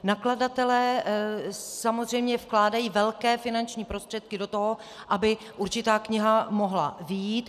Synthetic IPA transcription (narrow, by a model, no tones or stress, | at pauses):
nakladat̪ɛlɛː | samozr̝ɛjmɲɛfklaːdajiːvɛlkɛːfɪnant͡ʃɲiːpɾo̞st̪r̥ɛt̪̚kɪdo̞t̪oɦo | ʔabɪ | ʔuɾt͡ʃɪt̪aːkɲɪɦamoɦla̰vɪjiːt̪